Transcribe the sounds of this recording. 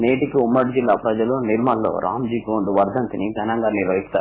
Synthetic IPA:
neːʈikiumːɐɽid͡ʒilːaːpɾɐd͡ʒɐluniɾmɐːllo̰ːɾʔa̰ːmd͡ʒiːɡoːɳɖuʋɐɾd̪ʱɐnt̪inib̪ɐnaːŋɡaːɾniːɾʋɐjikt̪aːɾ

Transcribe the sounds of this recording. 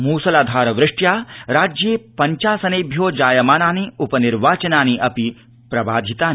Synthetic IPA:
muːsɐlaːd̪ʱaːɾɐʋɾɪʂʈjaːɾaːd͡ʒjeːpɐɲt͡ʃaːsɐneːbʱjoːd͡ʒaːjɐmaːnaːniupɐniɾʋaːt͡ʃɐnaːniʔɐpi | pɾɐbaːd̪ʱit̪aː

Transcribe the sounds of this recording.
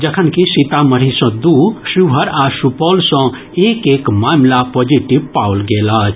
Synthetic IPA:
d͡ʒəkʰənkisit̪aməɾ̤isɔ̃d̪uʃubʱəɾasupɔːlsɔ̃ | eːkeːkmaːmlapod͡ʒiʈibpawlɡeːlaːt͡ʃʰ

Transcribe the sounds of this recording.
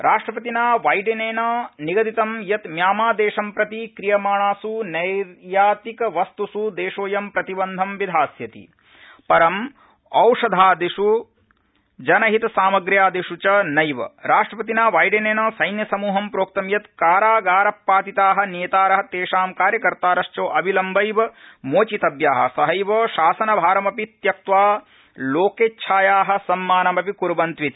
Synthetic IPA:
ɾʔaːʂʈɾɐpɐt̪inaːʋaːjɖineːnɐniɡɐd̪it̪ɐmjɐt̪mjaːmaːd̪eːʂɐmpɾɐt̪ikɾijɐmaːɳaːsunɐɾjaːt̪ikɐʋɐst̪usud̪eːʂoːjɐmpɾɐt̪ibɐnd̪ʱɐmʋid̪ʱaːsjɐt̪ḭ | pɐɾɐm | ɐwʂɐd̪ʱaːd̪iʂu | d͡ʒɐnɐɦit̪ɐsaːmɐɡɾjaːd̪iʂut͡ʃɐnɐjʋɐ̰ɾaːʂʈɾɐpɐt̪̬inaːʋaːjɖeneːnɐsɐjnjɐsɐmuːɦɐmpɾoːk̚t̪ɐmjɐt̪kaːɾaːɡaːɾɐpːaːt̪it̪aːɦɐ̆neːt̪aːɾɐɦɐt̪eːʂaːmkaːɾjɐkɐɾt̪aːɾɐʃt͡ʃoːʔɐbʱilɐmbɐjʋɐmoːt͡ʃit̪ɐbjaːɦɐ̰̆sɐɦɐjʋoːʃaːsɐnɐbʱaːɾɐmɐpit̪jɐk̚t̪ʋaː | loːkeːtːt͡ʃʰaːjaːɦɐ̆sɐmːaːnɐmɐpikuɾbɐnt̪ʋit̪i̥

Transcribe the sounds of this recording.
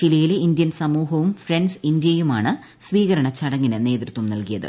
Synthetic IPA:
t͡ɕilɐjileind̪jɐnsɐmuːɦɐʋumfrensind̪jɐjumaːɳɨ | sʋiːɣɐɾɐɳɐt͡ɕɐɽɐŋːinɨne̞ːd̪rɨt̪ːɐmnɐlkijɐðɨ̰

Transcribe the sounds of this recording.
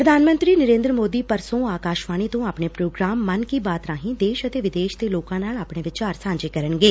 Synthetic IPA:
pɾəd̪ʱaːnmə̃nt̪ɾiːnəɾẽːnd̪ɾəmoːd̪iːpəɾsõːaːkaːʃʋaːñiːt̪õːaːpɳeːpɾoːɡɾaːmːənkiːbaːt̪ɾaːɦĩːd̪eːʃət̪eːʋɪd̪eːʃt̪eːloːkãːnaːlaːpɽeːʋɪt͡ʃaːɾsãːɲd͡ʒeːkəɾəɳɡeː

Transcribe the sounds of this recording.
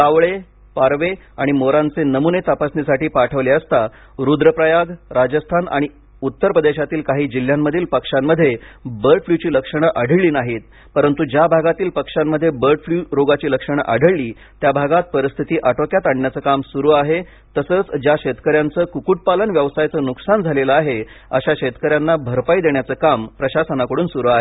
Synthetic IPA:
kaʋɭe | paɾʋeaɽ̃imoɾãnt͡senəmunet̪apasnisaʈiːpaʈʰəʋliəst̪a | ɾud̪ɾəpɾəjaɡɾad͡ʑəst̪ʰana̰ɽ̃i | ut̪ːəɾpɾəd̪eɕat̪iːlkaɦiːd͡ʑil̤ːjamːəd̪ʱiːlpəkʂamːəd̪ʱːjebəɾʈfljut͡ɕiːləkʂəɽ̃aʔəɽ̤ʱəɭliːnaɦiːt̪̚ | pəɾənt̪ud͡ʑjabʱaɡat̪iːlpəkʂamːəd̪ʱjebəɾʈfljuɾoɡat͡ɕiːləkʂəɳ̃ə̰ʔa̰ɽ̤ʱəɭlːiː | t̪jabʱaɡat̪̚pəɾist̪ʰit̪iːʔaʈokjat̪aɽɳjat͡səːkamsuɾuːaɦe | t̪əsəːt͡sd͡ʑjaɕet̪kəɾjant͡səːkukuʈ̚palənʋjəʋsajt͡səːnuksand͡zʱaleləaɦeə̰ɕaɕet̪kəɾjanːabʱəɾpaid̪eɳ̃jat͡səːkampɾəɕasənakəɽuːnsuɾuːaɦe

